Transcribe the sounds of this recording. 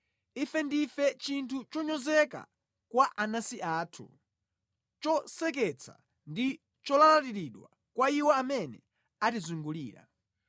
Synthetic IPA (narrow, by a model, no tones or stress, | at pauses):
ifɛndifɛt͡ʃintʰut͡ʃɔɲɔzɛka̰ | kwaʔanasiʔaːtʰṵ | t͡ʃɔsɛk̬ɛt͡sʰa̰ | ndi | t͡ʃɔlalatiɾiɗwa̰ | kwaiwɛamɛnɛ | atizuŋɡuliːɾa̰